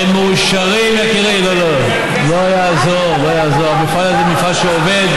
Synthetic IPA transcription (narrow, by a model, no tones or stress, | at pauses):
meːʃaʁimjakiʁimlolo | loaja | zoʁlojaːzoʁmefalazemifalʃeoved̪